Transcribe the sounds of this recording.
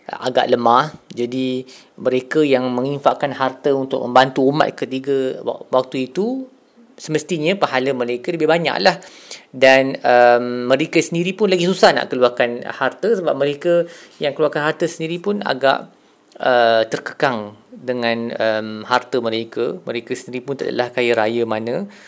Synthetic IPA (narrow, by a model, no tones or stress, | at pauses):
əʔa̰ɡa̰ʔləmãhd͡ʒadi | mə̃ɾekəjaŋmə̃ŋinfaʔkanhart̪əunt̪ʊk̚məmbant̪uːma̰t̪̚kət̪iɡə̰wak̚t̪uit̪u | səməst̪iɲãpaɦaləməɾekələbɪhbaɲa̰ʔlah | danəmːə̃ɾekəsəndiɾipʊnlaɡisusahna̰ʔkəluakanhart̪əsəbap̚məɾekəjaŋkəluakanhɦart̪əsəndiɾipʊna̰ɡa̰ʔ | ʔət̪ərkə̥kaŋdəŋãnəmhart̪əməɾakəməɾekəsəndiɾipʊnt̪adə̰lahkajəɾajəmanə̃